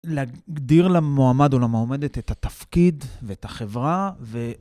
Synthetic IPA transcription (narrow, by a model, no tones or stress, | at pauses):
leaɡd̪iʁlamoamadolameome̞det̪et̪hat̪afkid̪veethaχe̞vʁave